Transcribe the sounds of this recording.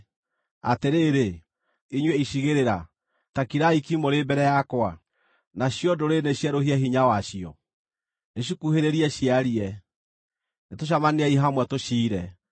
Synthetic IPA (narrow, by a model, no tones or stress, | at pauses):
a̰teɾeːɾe | iɲweiɕiɣeɾeɾa | takiɾaikimoɾebɛɾɛjakwa | naɕjɔdoɾeneɕjaɾohiɛɦiɲawaɕiɔ | eɕ̬ukuheɾeɾiɛɕiaɾiɛ | netoɕ̬amaneaiɦamwɛtoʃiːɾɛ